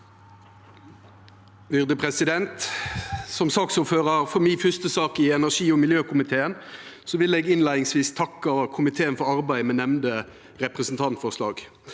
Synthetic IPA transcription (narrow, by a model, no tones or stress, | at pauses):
ʋʏʁd̪əpʁɛsɪd̪ɛnt̪ | sɔmsɑksuːføːʁəʁfɔmɪːfʏst̪əsɑːkɪɛnæʁʂiːɔmɪljøːkʰʊmɪt̪ʰeːənsɔʋɪleːɡɪnlæɪnɪŋsʋiːst̪ʰɑkːəkʰʊmɪt̪ʰeːənfɔɾɑʁbæɪmɛnɛmnd̪ə | ʁɛpʁəsn̩t̪ʰɑnt̪fɔʂlɑ̰ːɡ